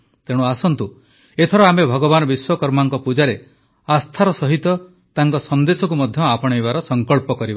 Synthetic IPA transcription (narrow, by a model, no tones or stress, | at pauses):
t̪eɽ̃uasɔnt̪u | et̪ʰɔɾɔamebʱɔɡɔbanɔbiswɔkɔɾmaŋkɔpud͡ʒaɾe | ast̪ʰaɾɔsɔɦit̪ɔ | t̪aŋkɔsɔnd̪esɔkumɔd̪ʱjɔapɔɽ̃ɔjβaɾɔsɔŋkɔɭpɔkɔɾiba